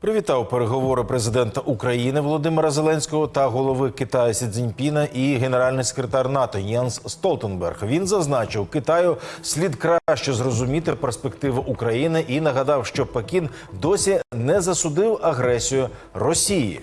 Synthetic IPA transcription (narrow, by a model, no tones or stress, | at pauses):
pɾɪʋʲit̪ɑwpeɾeɦɔʋɔɾɪpɾezɪd̪ɛnt̪ɐʔukɾɐjinɪʋɔlˠɔd̪ɪmeɾɐzelˠɛnʲsʲkɔɦɔt̪ɐɦɔlˠɔʋɪkɪt̪ɑjɐsʲid̪zʲɪnʲpʲinɐʔiɦeneɾɑlʲnɪjse̥kɾet̪ɑrnɑt̪ɔjɛnsːt̪ɔlˠt̪enbɛ̰rxʋʲinzɐznɑt͡ʃɪwkɪt̪ɑjʊsʲlʲid̪kɾɑʃt͡ʃɔzrɔzʊmʲit̪ɪperspe̞kt̪ɪʋɪʔukɾɐjinɪʔinɐɦɐd̪ɑwʃt͡ʃɔpekʲin | d̪ɔsʲinɛzɐsʊd̪ɪwɐɦɾɛsʲijʊrɔsʲijḭ